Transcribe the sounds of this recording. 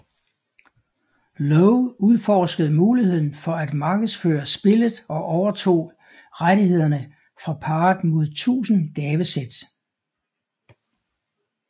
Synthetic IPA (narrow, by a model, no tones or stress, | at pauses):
lɔʊuðˠfɒsɡ̥əð̩ˠmuːlihe̝ð̞̰ˠn̩fɒ̽æd̥mɑ̈ːɡ̥əð̩ˠsføːɐsb̥e̝ləð̩ˠɒ̽ʔɒʊɐt͡sʰo̝̰ː | ʁad̥ihe̝ð̞̰ˠɐnə | fʁɑ̈pʰɑ̈ːd̥mo̝ð̞̰ˠt͡sʰṵːsn̩ɡ̥ɛːʋəsed̥